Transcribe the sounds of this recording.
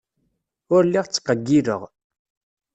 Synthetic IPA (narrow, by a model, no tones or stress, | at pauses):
ʊɾlːiʁt͡sːqːəɡːiɾə̰ʁ